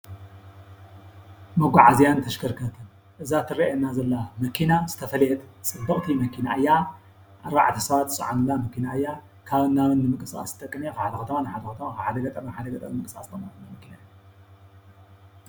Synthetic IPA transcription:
mɐɡʷaʕazijant̪ʰɐʃkɐɾkʰɐt̪ʰɐn | ʔɨzat̪ʰɨɾiʔenːazɐlːamɐkʰːinazɨt̪ʰɐfɐlet̪t͡sʼɨb̪ɐχʼt̪ʰimɐkʰinaʔɨjːa | ʔaɾaʕt̪ʰi̥sɐβat̪ɨsʼɨ̰ʕanɨlamɐkinaɨjːa | kʰaβɨnːaβɨnːɨmɨŋkʼɨsa̰st̪ʼɐkʼːɨnekɨħad̪ɐxɐt̪ʰɐmanɨħad̪ɐkɐt̪ʰɐmakaħad̪ɐɡɐt̪ʼɐmħad̪ɐɡɐt̪ʼɐmmɨkʼɨsa̰st̪ʰɐmɐtɨnamɐkʰinajːu

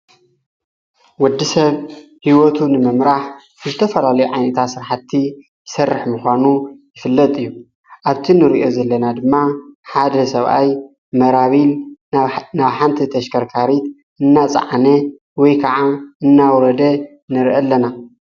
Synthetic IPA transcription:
wɔd̪ːisɐβ | hiwot̪ʰunɨmɨmɾaħ | ɨzɨt̪ʰɐfɐlalɐjuʕajnɐt̪ʰat̪sɨɾħat̪ʰːi | jɪsɐrːɨħmɨxʷanujɪfɨlːɐt̪ʼɨjːu | ʔaβt̪ʰinɨɾʔo̞zɐlːɐnad̪ɨmːaħad̪ɐsɐβʔa̰j | mɐɾaβil | naβħant̪ʰit̪ʰɐʃkʰɐɾkʰaɾit̪ | ʔɨnːat͡sʼɐ̰ʕanɐ | wɔjkʰɐʕaʔɨnːawɾɐd̪ɐ | nɨɾʔɐlːɐna

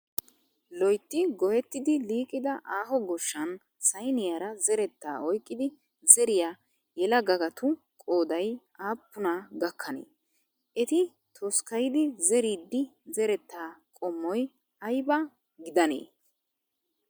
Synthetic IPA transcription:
lɔjt̪ːɪɡɔjɛt̪ːɪd̪ɪliːkʼːɪd̪ɐʔaːɦɔɡɔʃːɐn | sɐjnɪjaɾɐzɛɾɛt̪ːa̰ːɔjkʼːɪd̪ɪ | zɛɾɪjaː | jɛlɐɡɐɡɐt̪ʊ | kʼoːd̪ɐj | aːpːʊnɐɡɐkʰːɐnḛː | ʔɛt̪ɪ | t̪ʰɔskɐjɪd̪ɪzɛɾid̪ːɪzɛɾɛt̪ːaːkʼɔmːɔj | ɐjbɐ | ɡɪd̪ɐnḛː

